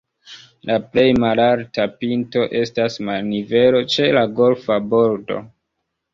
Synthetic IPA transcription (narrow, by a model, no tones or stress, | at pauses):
laple̞jmalaɾtapinto̞ʔe̞stasmalnive̞lo̞t͡ʃe̞laɡo̞lfabo̞ɾdo̞̰